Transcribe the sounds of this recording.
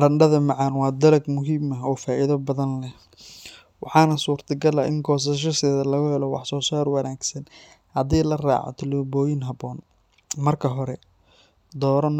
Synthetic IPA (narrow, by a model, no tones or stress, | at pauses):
ɾɐɳɖɐðɐmɑʕɑnwɑːd̪ɐlɐɡmʊɦiːmɐɔːfaːʔiðɐbɐðɐnlɛh | wɑħɑːnɐsuːrt̪ʰɐɡɐlɐʔɪŋkʰɔːs̬ɐʃ̬ɐsɛːðɐlɐɣʊhɛlɔwɑ̰ħsɔːsaːrwɑnaːɡsɐn | hɐd̪iːlɐra̰ːʕɔ̰t̪ʰɪlbɔːjɪnɦɐbɔːn | mɐrkʰɐɦɔɾɛ | d̪ɔːɾɐn